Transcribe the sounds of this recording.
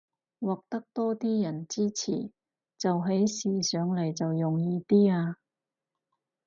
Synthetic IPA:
wɔː˨˩k̚t̪ɐ˥k̚t̪ɔː˥t̪iː˥jɐ˨˩nt͡siː˥t͡sʰḭː˨˩ | t͡sɐ˨wɦe˨˥jsiː˨sœː˨˧ŋlɐ˨˩jt͡sɐ˨wjʊ˨˩ŋjiː˧t̪iː˥aː˧

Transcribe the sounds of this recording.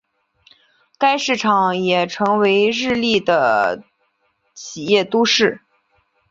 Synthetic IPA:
ka˥ɪʂɻ̩˥˩ʈ͡ʂʰɑ˨˩ŋjɛ˨˩ʈ͡ʂʰɤ˧˥ŋwe˧˥ɪɻɻ̩˥˧li˥˩d̪ə˩ | t͡ɕʰi˨˩jɛ˥˩t̪u˥ʂɻ̩˥˩

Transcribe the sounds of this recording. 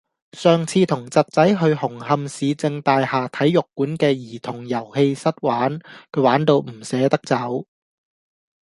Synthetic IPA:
sœː˨ŋt͡sʰiː˧t̪ʰʊ˨˩ŋt͡sɐ˨t̚t͡sɐ˨˥jɦɵ˧ɥhʊ˨˩ŋhɐ˧msiː˨˧t͡sɪ˧ŋt̪aː˧jhaː˨t̪ʰɐ˨˥jːʊ˨kːuː˨˥nkɛː˧jiː˨˩t̪ʰʊ˨˩ŋjɐ˨˩whe˧jsɐ˥t̚waː˨˥nkʰɵ˨˧˥waː˨˥nt̪o˧wm̩˨˩sɛː˨˧˥t̪ɐ˥k̚t͡sɐ˨˥w

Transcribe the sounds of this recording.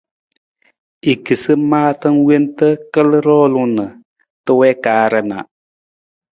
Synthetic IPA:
i˨ki˨sɨ˦maː˦tɨ˦nwe˦n˦tə˦kə˦lɾɔː˦lʊ˦nə˨ | tə˦wɛ˦kaː˨˦ɾə˨na̰˨ʔ

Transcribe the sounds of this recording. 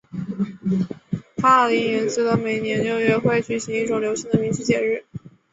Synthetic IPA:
tʰa˥ə˧˩li˧˥nɥɛ˧˥nt͡sɹ̩˧˥lə˧˩me˨˩ɪnjɛ˧˥nljo˥ʊɥɛ˧˥xwe˥˩ɪt͡ɕy˨˩ɕi˧˥ŋi˥˩ʈ͡ʂʊ˨˩ŋljo˧˥ʊɕi˧˥ŋd̪ə˨˩mi˧˥ŋt͡ɕʰy˥˩t͡ɕjɛ˨˩ɻɻ̩˥˩

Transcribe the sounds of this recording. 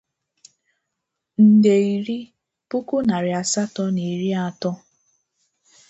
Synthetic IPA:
n̩˨de˨i˨ɾi˦ | pu˦ku˦na˨ɾɪ˨a˨sa˦tɔ˦ni˨ɾi˦a˨tɔ˦

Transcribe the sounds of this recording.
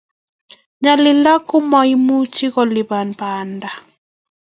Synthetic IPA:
ɲa˨lɪ˨la˦kʊ˦mɔ˨i˦mu˦t͡ʃi˦kɔ˨lɪ˨ba˨npa˨nda˨

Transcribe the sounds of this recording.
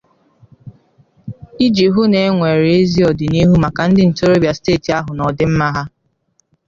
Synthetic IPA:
i˦d͡ʒi˨ɦu˦ne˨˦e˦ŋʷe˨ɾe˦zi˦ɔ˨dɪ˨ni˦ɦu˦ma˨ka˨n̩˦dɪ˦n̩˨to˦ɾo˦bi˨a˨steː˦˨ti˨a˦ɦʊ˨nɔ˨dɪ˦m̩˦ma˦ɦa˦

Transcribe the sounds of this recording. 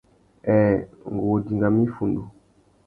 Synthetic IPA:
ɛ˨ŋ˨ɡo˨di˨ŋɡa˨mĩ˦fu˨ndu˨

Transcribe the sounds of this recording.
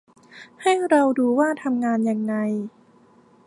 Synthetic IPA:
ha˥˩jɾa˧wduː˧waː˥˩t̪ʰa˧mŋaː˧njaː˧ŋːa˧j

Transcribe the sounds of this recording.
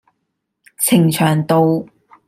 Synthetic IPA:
t͡sʰɪ˨˩ŋt͡ʃʰœː˨˩ŋt̪o˨˧w

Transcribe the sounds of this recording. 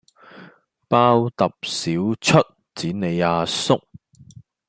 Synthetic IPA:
paː˥wt̪ɐ˨p̚siː˨˥wt͡sʰɵ˥t̚ | t͡siː˨˥ne˨˧jaː˧sʊ˥k̚

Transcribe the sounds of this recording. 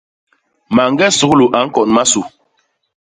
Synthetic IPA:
ma˨ŋ˦ɡɛ˦su˨klu˨ʔa˨˦ŋ̩˦kɔ˨nma˦su˨

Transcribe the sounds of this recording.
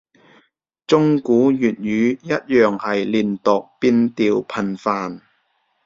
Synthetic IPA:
t͡sʊ˥ŋkuː˨˥jyː˨˩t̚jyː˨˧jɐ˥t̚jœː˨ŋhɐ˨jliː˨˩nt̪ɔ˨k̚piː˧nt̪iː˨wpʰɐ˨nfaː˨n

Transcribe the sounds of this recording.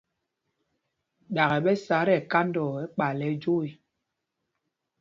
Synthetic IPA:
ɗa˨ɣɛ˨ɓɛ˦sa˨˦ɾɛ˨ka˦ndɔ˨ɛ˦k͡pa˨lɛ˨˦d͡ʒo˦i˨

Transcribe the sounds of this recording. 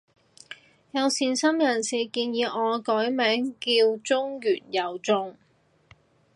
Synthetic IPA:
jɐ˨˧wsiː˨nsɐ˥mjɐ˨˩nsiː˨˩kiː˧njiː˨˧ʔɔː˨˧kɔː˨˥jmɛː˨˥ŋkiː˧wt͡sʊ˥ŋjyː˨˩njɐ˨˩wt͡sʊ˧ŋ

